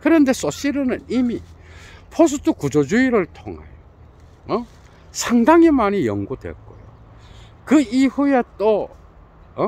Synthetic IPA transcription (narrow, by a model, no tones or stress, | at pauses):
kɯɾʌnde̞s͈oɕ͈iɾɯnɯnimipʰos̬ʰutʰukud͡ʑod͡ʑuiɾɯɭtʰo̰ŋḛjo | ʌ | sʰaŋdaŋimaɲijʌ̰ŋɡudwḛk͈o̰jo̰ | kɯihujet͈o | ʌ